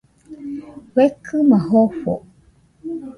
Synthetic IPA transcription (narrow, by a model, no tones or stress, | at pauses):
wekʰɨmaɦofo̰